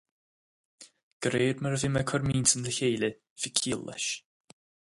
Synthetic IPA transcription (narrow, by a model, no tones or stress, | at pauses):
ɡ̥ɾeːɾməɾəvɪməkʰɔɾmiːntənd̪əçeːlʲə | vɪkʰiːlˠːə̰ʃ